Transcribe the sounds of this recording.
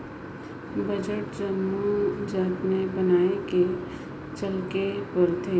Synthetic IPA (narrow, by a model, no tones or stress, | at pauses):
bəd͡ʒəʈd͡ʒəmːud͡ʒaːt̪nebənaːeke | t͡ʃəlkepəɾt̪ʰeː